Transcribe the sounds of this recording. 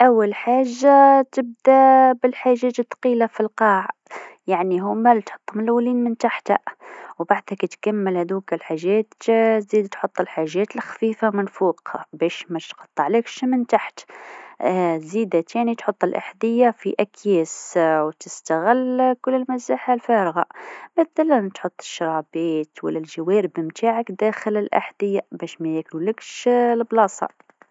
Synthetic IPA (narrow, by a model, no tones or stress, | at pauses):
ʔawːalħaːʒːat̪ɪb̚d̪abɪlħaːʒːæt̪ət̪ːqiːlafilqɑːʕjaʕniɦuːmælt̪ħo̥t̪ˤːmɪlwːliːnmɪnt̪aħt̪ha̰wbaʕd̪hækt̪kamːəlhæd̪ukɪlħaʒːɛːt̪ziːd̪t̪ħot̪ˤːəlħaʒːɛːt̪əlxḁfiːfamɪnfuːqbɛːʃmæt̪t̪qɑt̪ˤːɑʕlekʃmɪnt̪aħt̪ | zid̪at̪ʰænit̪ħot̪ˤːəlʔa̰ħd̪əjːafiʔækʰjæːswt̪əst̪aɣɪlːkʊlːəlmæzaħalfæɾɣa̰məθælænt̪ħot̪ˤːə̥ʃːɾˤɑbiːt̪wə̰lːælʒəwæɾəbmt̪ʰaʕakd̪æxələlʔa̰ħd̪əjːabæʃmæjækluləkʃlblɑsˤɑ̰